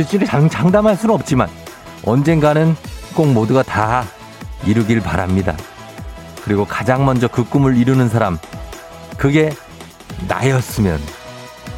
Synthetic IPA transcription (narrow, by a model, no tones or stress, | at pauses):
it͡ɕ͈iɾeat͡ɕaŋdamɦaɭs͈unɯnʌp̚t͡ɕ͈iman | ʌnd͡ʑe̞nɡanɯnk͈oŋmoduɡata | iɾuɡiɭpaɾa̰mɲida̰ | kɯɾiɡokḁd͡ʑaŋmʌnd͡ʑʌkɯk̚k͈ɯmɯɭiɾunɯnsʰaɾam | kɯɡe̞ | na̰jʌs͈ɯmjʌ̰n